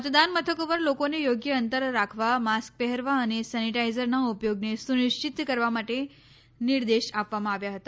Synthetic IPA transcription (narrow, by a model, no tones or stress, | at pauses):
mət̪d̪anmət̪ʰəkoʋəɾlokonejoɡjəənt̪əɾːakʰʋamask̚pɛɦəɾʋaːñisaniʈajzəɾnaupjoɡnesuniʂt͡ɕit̪kəɾʋamaʈe | niɾd̪eɕapʋamãaʋjaɦət̪a